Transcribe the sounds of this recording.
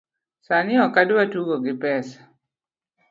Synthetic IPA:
sanɪɔkadwatuɡɔɡɪpɛsḁ

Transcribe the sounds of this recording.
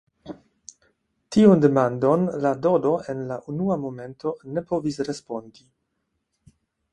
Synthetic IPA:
tionde̞mando̞nlado̞do̞enlaʔunuamo̞me̞ntʰo̞ne̞po̞visɾe̞spo̞ndi

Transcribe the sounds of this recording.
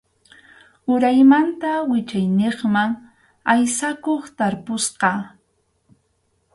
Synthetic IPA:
ʊɾajmant̪awɪt͡ʃajneχmaŋ | ajsakoχt̪aɾpʊsqɑ

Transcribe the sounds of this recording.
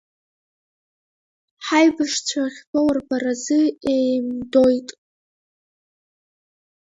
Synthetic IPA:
ħajbɨʂt͡ɕʷʰaχʲbʰawarbarazɨejmdojtʼ

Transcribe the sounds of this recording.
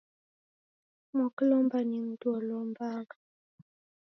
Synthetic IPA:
mɔklɔmbaniŋ̩dwɔlɔmbaŋa

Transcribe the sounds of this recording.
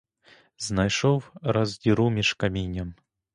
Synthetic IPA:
znajʂɔwɾɐzd̪ʲiɾumʲiʂkamʲinʲɐm

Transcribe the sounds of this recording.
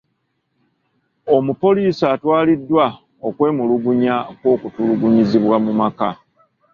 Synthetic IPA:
o̞mupo̞liːsaːtwaːlidːwa | okwe̞ːmuluɡuɲakwo̞ːkutuluɡuɲiziβwamumaka̰

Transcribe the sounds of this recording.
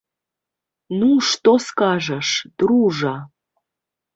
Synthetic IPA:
nuʂt̪oskɑʒəʃd̪̥ɾuʐɑ

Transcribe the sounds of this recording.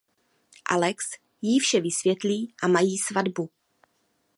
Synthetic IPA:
ʔa̰lɛks | jifʃɛvɪsvjɛt̪liːʔamajiːsvadbu

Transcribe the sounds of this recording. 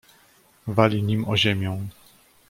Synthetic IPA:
valʲiɲimɔʑemʲjɔ̃w̃

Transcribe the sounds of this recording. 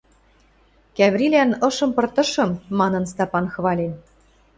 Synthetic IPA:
kæβɾilænɤ̆ʃɤ̆mpɤ̆rt̪ɤ̆ʃɤ̆mːɑnɤ̆nst̪ɑpɑnxβɑlʲen

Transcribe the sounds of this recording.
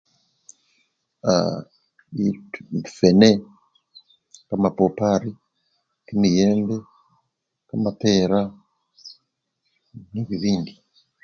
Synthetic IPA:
a̰ | itmfɛnɛ | kamapɔpaɾi | kinijɛmbɛ | kamapɛɾa | niβiβindi

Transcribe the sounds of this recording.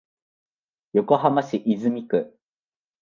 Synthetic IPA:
jo̞ko̞ɦamaɕiʔizɨmʲikɯ̟

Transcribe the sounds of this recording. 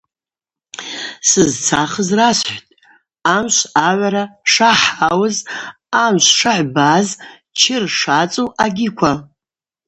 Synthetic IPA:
sɨzt͡sʰaχəzrasħʷtʼ | amʃʷaʕʷaɾaʂaħawɨz | amʃʷʂaħʷbaz | t͡ʃʰɪrʂat͡sʼowʔaɡʲɪkʷʰa

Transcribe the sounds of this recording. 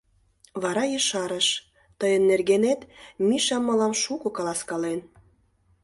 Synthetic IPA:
βɑɾɑjəʃɑɾəʃ | t̪əjənːerɣenet̪miʃɑmːɤ̆lɑmʃukokɑlɑskɑlen

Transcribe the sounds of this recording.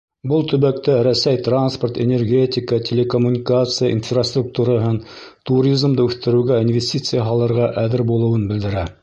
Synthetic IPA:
bɤlˠt̪ɵ̆βæk̚t̪æɾæsæjt̪ransport̪enʲerɡʲetʲɪkətʲʰelʲekomunʲikat̪sɨjaʔḭnfrast̪ruk̚t̪uɾɑɦɤnt̪uɾʲizmd̪ɤʉθt̪ɘ̆ɾɘ̆wɡæinvʲesʲtʲit̪sɨjaɦɑlˠɤ̆ɾʁɑʔæðɘɾbulˠɤ̆wɤnbɘ̆ld̪ɘ̆ɾæ

